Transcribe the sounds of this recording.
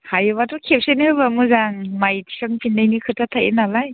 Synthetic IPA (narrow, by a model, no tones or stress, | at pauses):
hajβatʰɔkʰep̚senihɯbamɯzaŋmajtʰi̥sɯŋpʰindajnikʰɯtʰatʰajḛnalaj